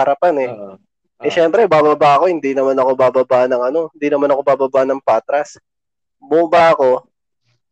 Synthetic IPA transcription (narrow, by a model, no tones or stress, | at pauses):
ɐɾɐpanɛ | ʔɛʃɛmpɾɛbaːbɐbaːɐko̞hɪnd̪inɐmanɐko̞baːbɐbaʔnɐŋɐno̞hɪnd̪inɐmanɐko̞baːbɐbanɐŋpaːt̪ɾɐs | bʊbaʔɐko̞